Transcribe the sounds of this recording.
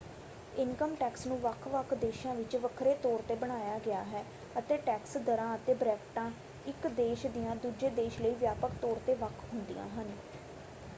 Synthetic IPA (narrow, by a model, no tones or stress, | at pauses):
ɪŋkəmʈɛːksnũːʋəkʰʋəkʰd̪eːʃãːʋɪt͡ʃʋəkʰɾeːt̪ɔːɾt̪eːbəɽ̃aːjaːɡɪaːɦɛː | ət̪eːʈɛːksd̪əɾãːət̪eːbɾɛːkʈãː | ɪkd̪eːʃd̪ijãːd̪uːd͡ʒeːd̪eːʃləiːʋjaːpəkt̪ɔːɾt̪eːʋəkʰɦʊnd̪ḭjã̰ːɦən